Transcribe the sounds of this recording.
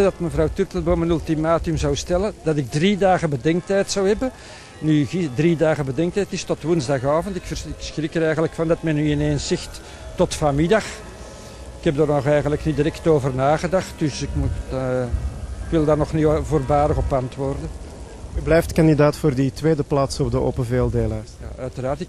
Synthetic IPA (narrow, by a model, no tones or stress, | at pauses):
dɑtməvrɑwtytləboːmənʉlˠtimaːtəmzawstɛlənd̥ɑtɪɡ̚dridaːɣəbədɛŋk̚tɛjtsawɦɛbə | nyidridaːɣəbədɛŋk̚tɛjtnistɔtʋunzdɑχaːvəntɪkfəɪksxrikəɾɛjɣənləkfɑndɑtmɛnyɪnensɪxtː | ɔtfamɪdɑx | ɪkɛb̚darnɔχɛjɣənləknidiɾɛktoːvərnaːɣədɑxt̚d̥ɵsɪkmut | ɪkʋɪlˠdaːrnɔχnivoːrbaːdəɣɔpɑntʋoːrdə | yblɛjftkɑndidaːtfoːrditweːdəplaːtsɔb̚dəo̰ːpənveːlˠdeːlaːrsja̰œɥtəraːrtɪk